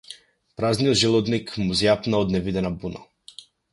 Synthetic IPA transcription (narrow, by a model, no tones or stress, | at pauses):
pɾaznijɔd̪ʒɛlˠɔd̪nikmuzjapnaɔd̪nɛvid̪ɛnabuna̰